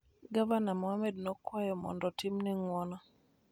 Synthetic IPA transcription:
ɡavanamɔamɛdnɔkwajɔmɔ̰ndɔtɪmniŋwɔnɔ

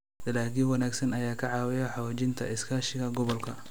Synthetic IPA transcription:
d̪ɐlaːkiːwɑnaːɡsɐnɐjaːkʰɐʕɑːwɪjɐħɑwaːt͡ʃɪnt̪ʰɐ̰ʔɪskʰaːʃɪɣɐɡɔβɔlkʰɐ

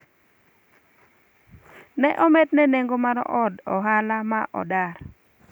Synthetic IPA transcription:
nɛʔɔmɛtnɛneŋɡomaɾɔ̰ʔɔdɔɦalamaʔɔ̰dar

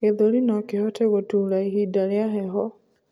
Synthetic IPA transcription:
eðoɾinɔkehɔteɣotulaiɦidaɾjaɦɛɦɔ

